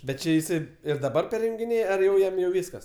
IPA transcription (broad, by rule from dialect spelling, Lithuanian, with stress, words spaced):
ˈbʲɛt ˈt͡ʃʲɪ jɪˈsɐɪ ɪr dɐˈbɐr pʲɛrʲjʊŋʲɡʲɪˈnʲeːj ɐr jɛʊ ˈjɛm jɛʊ ˈʋʲiːskɐs